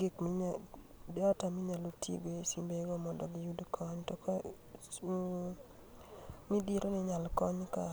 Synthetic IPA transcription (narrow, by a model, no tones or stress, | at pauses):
ɡɪkmɪ | datamɪɲalotʰḭɡesimbeɡɔmɔndɔɡɪjudkʰɔɲtɔk | midiɾonɪɲalkɔɲka̰